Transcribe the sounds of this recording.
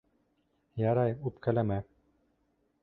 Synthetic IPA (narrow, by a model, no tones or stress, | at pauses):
jɑɾɑjupkælæmæ